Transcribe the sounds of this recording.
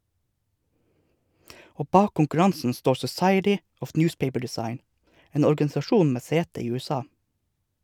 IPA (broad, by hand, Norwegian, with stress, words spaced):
ˈoː ˈbɑːk kʊŋkʉˈɹɑnsn̩ ˈstoːɾ sɔˈsɑɪətɪ ˈɔf ˈnjʊːspeɪpə ɖɛˈsɑɪn ˈeːn ɔɾɡɑnɪsɑˈʃuːn ˈmeː ˈseːtə ˈiː ˌʉːɛˈsɑː